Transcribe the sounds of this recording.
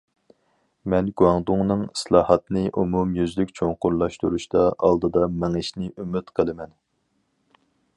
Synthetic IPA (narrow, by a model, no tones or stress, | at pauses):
mɛnɡuɑŋd̪ʊŋnɨŋslˠɑːhɑt̪nɨʔumumjyzlykʲt͡ʃʰoŋqʊɾlˠɑʃt̪uɾuʃt̪ɑɑ̰lˠd̪ɨd̪ɑmɛŋɪʃnɪʔymyt̪qʰəlˠɨmɛn